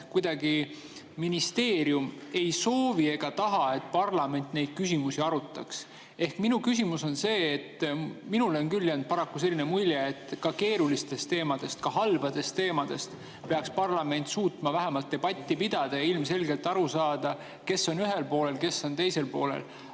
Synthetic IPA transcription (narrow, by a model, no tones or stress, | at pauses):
kujd̪̥ɑɡi | minist̪e̞ːɾjume̞jso̞ːvie̞ɡ̥ɑt̪ɑɦɑe̞t̪̚pɑrlɑme̞nt̪ːˑne̞jd̪̥̚kysʲimusiɑɾut̪ːˑɑ̰ks | e̞hkminukys̬ʲimuso̞nse̞ːt̪ːminulonkylːjend̪̥̚pɑɾɑkːuse̞lːinemulʲjeːt̪ːˑkɑke̞ːɾulist̪e̞st̪ːe̞ːmɑd̪̥e̞st̪kɑɦɑlbɑd̪̥e̞st̪ːe̞ːmɑd̪̥e̞st̪ | pe̞ɑkspɑrlɑme̞nt̪suːt̪mɑvæɦemɑlt̪̚ːe̞b̥ɑt̪ʲˑːipid̪̥ɑd̪̥ɑjɑilmse̞lɡe̞lt̪ːˑɑɾusɑːd̪̥ɑ | ke̞sːo̞nyɦe̞lpo̞ːle̞lke̞sːo̞nt̪e̞jse̞lpoːle̞̰l